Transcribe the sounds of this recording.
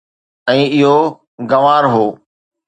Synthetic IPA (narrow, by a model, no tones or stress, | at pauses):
ɛ̃ːɪɦo | ɡɐʋaːɾɦoː